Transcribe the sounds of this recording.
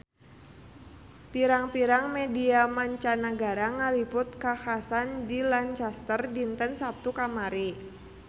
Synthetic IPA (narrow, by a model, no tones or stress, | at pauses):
piɾaŋpiɾaŋmediamaɲt͡ʃanaɡaɾaŋalipʊt̪̚kaxasandilaɲt͡ʃast̪ərdint̪ənsap̚t̪ukamaɾi